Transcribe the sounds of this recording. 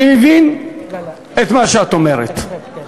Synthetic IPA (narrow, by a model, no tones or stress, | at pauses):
vin | et̪maʃeat̪omeʁḛt̪